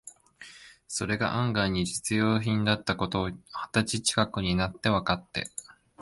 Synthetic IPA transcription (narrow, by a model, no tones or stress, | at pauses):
so̞ɾe̞ɡa̰ʔãŋɡaɲ̟id͡ʑit͡sɨjo̞ːçĩnd̪at̪ːako̞t̪o̞ːhḁt̪at͡ɕit͡ɕi̥kakɯ̟ɲ̟inat̪ːe̞βakat̪ːe̞̰